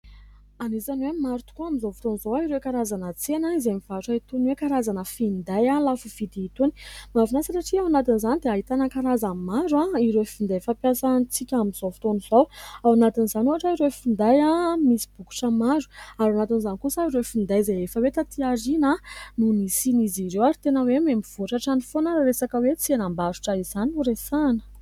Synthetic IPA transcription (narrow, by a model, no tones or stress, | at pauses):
anizanwemaɾut̪u̥kuamizovu̥t̪onizowaiɾekaɾazanət͡senaizemivaʈ͡ʂait̪unwekaɾazanəfind̪ajalafuv̥id̪iːt̪uni̥mavunasaɾaʈ͡ʂiawanat̪inzanid̪eaɦit̪anəkaɾazamaɾuaiɾeefind̪afapjasant͡sikʲamizovut̪onizowawanat̪inizanuaʈ͡ʂaiɾeefind̪ajamisi̥b̥uku̥ʈ͡ʂəmaɾu̥aɾanat̪inzanikusaiɾeefind̪ajzaefəwet̪at̪iaɾinanunisiniziɾewaɾit̪enəwememiv̥oʈ͡ʂaʈ͡ʂanifonaɾaɾesakəwet͡sianambaɾu̥ʈ͡ʂaizanuɾesanə̥